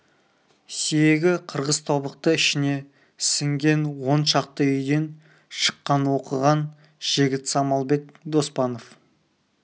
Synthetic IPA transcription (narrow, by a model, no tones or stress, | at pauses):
sijeɡʲɪqʰəɾʁəz̥t̪ʰobəq̚t̪əɪʃɪne̞ | sɪŋɡʲe̞nwo̞nʃɑqt̪əʏjd̪e̞n | ʃə̥qːɑnwo̞qəʁɑn | ʒ̥ɪɡʲɪt̪sɑmɑlˠbe̞k̚d̪o̞spɑno̞f